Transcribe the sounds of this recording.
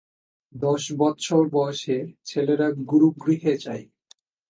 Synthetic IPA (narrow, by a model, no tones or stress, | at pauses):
d̪ɔʃbɔt̪ːɕʰoɾbɔeʃeɾt͡ɕʰeleɾaɡuɾuɡɾiɦet͡ɕaj